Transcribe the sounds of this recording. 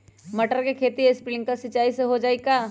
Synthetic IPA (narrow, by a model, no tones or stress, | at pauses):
mɐʈəɾkekʰeːt̪iespɪlɪ̃ŋɡkɐsɪt͡ʃːaːiseɦod͡ʒaːikaː